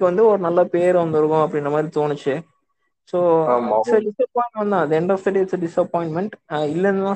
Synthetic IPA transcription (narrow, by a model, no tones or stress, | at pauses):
kːɐʋɐnd̪ɯɔɾɯnɐlːapeːɾʋɐnd̪ɐɾɯkːʊ̃ɐpːɐɽɪnɖrɾɐmaːd̪ɾit̪oːɳɯt͡ʃːɯ | soːsɐɖɪsɐpɔːjɪ̃ɳʈmɐ̃nd̪ãːd̪ɛɳɖɐst̪ɐʈiɪʈsɐɖɪsɐpɔːjɪ̃ɳʈmɛɳʈɪlːɐnd̪ɐnãː